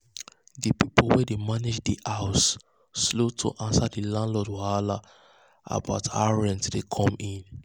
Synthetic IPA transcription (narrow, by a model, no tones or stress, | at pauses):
dipipolwɛdemaned͡ʒdiʔaʊsː | lotʰo̰ʔãnsadilãndlɔdwaala̰ | a̰ba̰ʊtʰa̰ɹɛ̃nsdekʰɔ̃mĩn